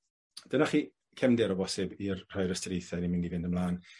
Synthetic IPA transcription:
d̥ənaχiː | kʰɛmdɪɾɔbɔsɪbirr̥ajɾəstɾejθɛnimɪndivɪndəmlˠaːn

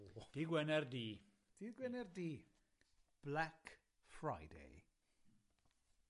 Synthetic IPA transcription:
d̥iɡwɛnɛrdiː | d̥iɡwɛnɛrdiː | b̥lak | fɹajdḛj

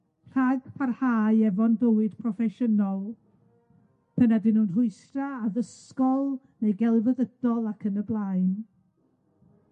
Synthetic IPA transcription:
pɬaɡpʰarhaːɨɛvɔndəwɨd̥pʰrɔfɛʃənɔlˠ | pʰənadɪnhuːnrʊɨsraːðəskɔlˠ | nejɡɛlˠvəðəd̥ɔlˠakʰənəblˠaɨn

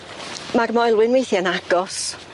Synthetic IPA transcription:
maɡmɔjlˠwɪnwejθiənaɡ̥ɔs

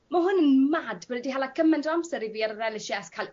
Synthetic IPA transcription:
maɦʊnənmadbənədiɦalˠakʰəmɛndamsəɾiviːaɾəɾɛlɪʃɛskʰal

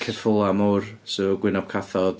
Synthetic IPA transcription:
kʰɛrfʊlˠamursoɡwɪnɔb̥kʰaθɔð̥

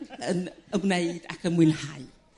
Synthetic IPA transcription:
ənəbneɨd̥a̰kʰənmwɪnhaj

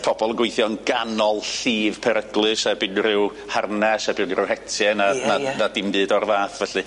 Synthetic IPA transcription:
pʰɔbɔlˠəŋɡwɪjθjɔnɡanɔlˠɬiːv̥pʰɛɾəɡlˠɨʃabɨnrɪw | harnɛsɛbɨnrɪwhɛtʰjɛnananadɪmbɨːdɔrvaːθvɛɬɨ

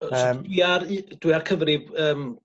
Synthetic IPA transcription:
sːwiard̥wiarkʰəvrɪbəːm

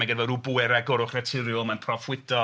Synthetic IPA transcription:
aɡɛdvɛɾubuɛɾɛɡʊɾʊχrɛtʰɪɾjʊmanpʰrɔfwɪdɔ

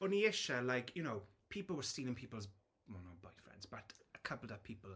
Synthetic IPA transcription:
ə̃niɪʃəlaɪkʰjəñoʊpʰiˑpəl̩ˠwəstiːlɪ̃ŋpʰipəl̩ˠz | wɛlnɔt̚b̥aɪfɹɛ̰̃ndzb̥ətəkʰʌpəl̩ˠəv̥pʰiˑpəlˠ

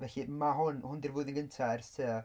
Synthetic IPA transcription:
vɛɬimaɦʊnhʊndɪrvʊːɨðənŋɡəntʰaɛrstʰə

